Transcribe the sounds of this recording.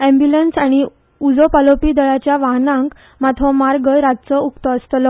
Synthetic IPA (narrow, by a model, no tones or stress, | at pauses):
ɛ̃mbjulənsaɽ̃i | ud͡zopalopid̪əɭat͡ɕjaʋaɦnãŋk | mat̪ʰɔmaɾɡəɾat̪̚t͡səukt̪əəst̪lɔ